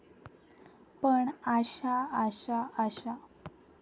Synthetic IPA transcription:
pəɳaɕaəɕaəɕa

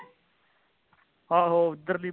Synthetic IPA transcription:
haːɦoːd̪əɾliː

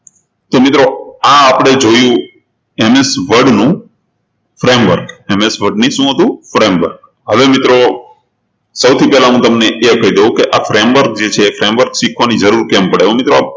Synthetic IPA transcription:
t̪omɪt̪ɾoaːpɽ̃ed͡ʒojũ | emesʋəɖnũ | fɾemʋəɾkemesʋəɖniʃũɦət̪ũfɾemʋə̰ɾk̚ | ɦəʋemɪt̪ɾo | səwt̪ʰipɛlaɦũt̪əmneʔeəkəɦid̪eũkeʔafɾemʋəɾk̚d͡ʒet͡ʃʰeːfɾemʋəɾkʃikʰʋanid͡ʒəɾuɾkɛmpəɽeomɪt̪ɾoap̚

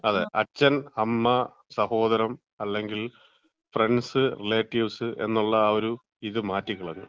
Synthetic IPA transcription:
ɐðḛʔɐt͡ɕːɐnɐmːɐ | sɐho̞ːðɐɾɐm | ɐlːe̞ŋɡil | fre̞ɳɖsɨrileːʈːiʋsɨʔe̞̰nːuɭːɐːoɾu | iðɨmaːtːikiɭɐnːṵ

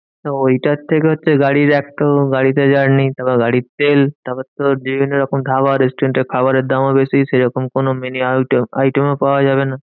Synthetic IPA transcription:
t̪oojʈat̪ʰekeɦotːʃʰeɡaɽiɾɛkʈoɡaɽit̪ed͡ʑaɾnit̪abaɡaɽit̪elt̪abat̪od͡ʑibʱineɾɔkomd̪ʱaβaɾesʈɾeɳʈekʰabaɾeɾd̪amobesiʃejɾɔkomkonomeniaʈajʈemepaoad͡ʑaβena

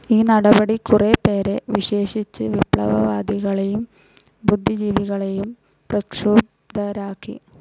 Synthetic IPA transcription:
iːnɐɽɐbɐɽikurepe̞ːɾe̞ʋiɕe̞ːʂit͡ɕːɨʋipɭɐʋɐʋaːd̪iɣɐɭe̞jum | bud̪ʱːid͡ʑiːʋiɣɐɭe̞jum | prɐkʂuːb | d̪ɐɾaːkːḭ

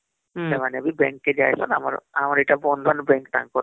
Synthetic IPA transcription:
emaneabibɛŋkːed͡ʒaːjsɔnama̰ɾamaɾiʈabɔnd̪ʱanbeŋk̚t̪a̰ŋkɔ

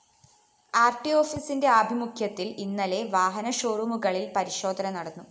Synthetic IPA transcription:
aːrʈːio̞ːfisindeɐbʱimukʰjɐt̪ːilinːɐle̞ʋaːɦɐnɐɕoːrumuɣɐɭilpɐɾiɕo̞ːd̪ʱɐnɐnɐɽɐnːu

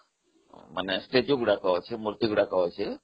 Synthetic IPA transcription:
mə̰nesʈed͡ʒuɡuɽakəʋot͡ʃʰemuɾt̪iɡuɽakəʋot͡ʃʰe

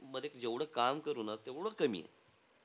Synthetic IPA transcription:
məd̪ekd͡ʑeʋɽ̤əkamkəɾunat̪eʋɽəkəmḭːjḛ

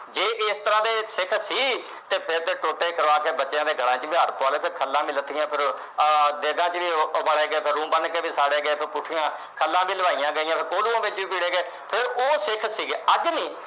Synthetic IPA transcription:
d͡ʒeːʔɪst̪əɾãːd̪eːsɪkʰsiː | t̪eːpʰɪɾd̪eːʈoːʈːeːkəɾʋaːkeːbətːʃjãːd̪eːɡəɽãːt͡ʃbiɦaːɾpɔːleːpʰɪɾkʰəlːãːmɪlət̪ʰːijãːpʰɪɾ | d̪eːɡãːt͡ʃʋiːbəɽeːɡeːpʰɪɾũːbənkeːʋiːsaːɽeːɡeːpʰɪɾpʊʈʰɪjãː | kʰəlːãːbiːləʋaːijãːɡəijãːpʰɪɾkoːluːãːbɪt͡ʃʋiːpiːɽeːɡeː | pʰɪɾoːsɪkʰsiːɡeːəd͡ʒnĩː

